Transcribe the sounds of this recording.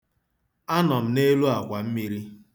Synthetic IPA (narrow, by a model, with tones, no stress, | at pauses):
a˦nɔ˨m̩˨˦ne˦lu˦a˨kʷa˨m̩˦mi˦ɾi˦